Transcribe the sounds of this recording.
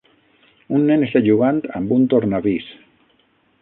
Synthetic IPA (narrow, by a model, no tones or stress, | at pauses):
unːeneseʎuɣant̪ambunt̪oɾnaβis